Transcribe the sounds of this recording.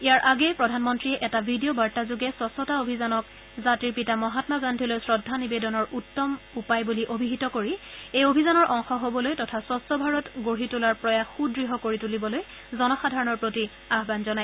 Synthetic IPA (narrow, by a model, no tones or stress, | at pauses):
ijaɹʔaɡɛpɹɔdʱanmɔntɹiɛʔɛtabʱidiobaɹtazuɡɛswɔsɔtaobʱizanɔk̚ | zatiɹpitamɔɦatmaɡandʱilojsɹɔdʱːanibedɔnɔɹʔutːɔmupajbuliʔobʱiɦitɔkoɹiejobʱizanɔɹʔɔŋxɔɦobɔlojtɔtʰaswɔsɔbʱaɹɔtɡoɹitulaɹpɹɔjaxudɹiɦɔkoɹitulibɔloj | zɔnɔxadʱaɹɔnɔɹpɹoti | aɦbanzɔnaj